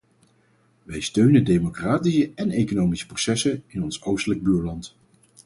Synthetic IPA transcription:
ʋɛjstøɥnədejmokraːtisəɛnejkonowmisə̥prosɛsənɪnɔnsowstələɡ̚byːɹlɑnt

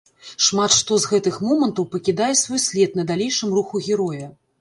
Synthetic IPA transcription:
ʂmat̪ʂt̪ɔzɣɛt̪ɨxmɔmɐnt̪ɐwpɐkʲid̪ajɛsvɔjsʲlʲɛt̪̚nɐd̪alʲejʂɨmruxuɣʲiɾɔjɐ

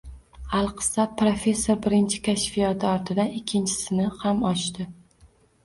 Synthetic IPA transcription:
alˠqʰɨ̥sat̚pɾofe̞sːoɾbɪɾɪnt͡ʃʰɪ̥kʲʰaʃfɪjat̪ʰɪɒɾt̪ʰɪd̪anɪkʲʰːɪnt͡ʃʰɪ̥sɪnɪhamɒʃt̪ɪ

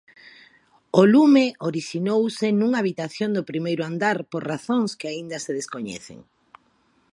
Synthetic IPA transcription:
olumeoɾiʃinowsɪnuŋaːβit̪aθjond̪ʊpɾimejɾʊand̪aɾpoɾraθõŋskeaind̪aseðeskoɲɛ̰θḛŋ

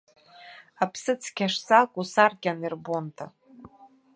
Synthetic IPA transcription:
apʰsɨt͡sʰkʲʰaʂsakʷʼusarkʲanirbontʰa

